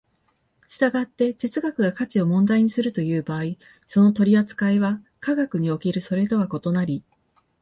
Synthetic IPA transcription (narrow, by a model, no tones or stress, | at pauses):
ɕi̥t̪aɡat̪ːe̞d͡ʑit͡sɨɡakɯ̟ɡakat͡ɕio̞mõ̞nd̪aiɲ̟isɨɾɯ̟t̪o̞jɯ̟ːbaːi | so̞no̞t̪o̞ɾʲiat͡sɨ̥kaiβa | kaɡakɯ̟ɲ̟io̞kʲiɾɯ̟so̞ɾe̞t̪o̞βako̞t̪o̞naɾʲi